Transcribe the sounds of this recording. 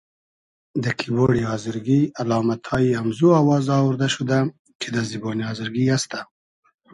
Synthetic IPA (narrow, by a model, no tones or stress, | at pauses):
d̪əkʰiboɽiɑːzɪɾɡialɑːmat̪ʰɑjiamzuawɑːzɑwuɾd̪aʃud̪a | t͡ʃed̪aziboniɑzɪɾɡiast̪a